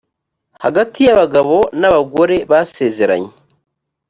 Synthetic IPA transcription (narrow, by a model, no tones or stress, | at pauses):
haɡatijaβaɡaβo̞naβaɡoɾeβaseːzeɾa̰ɲe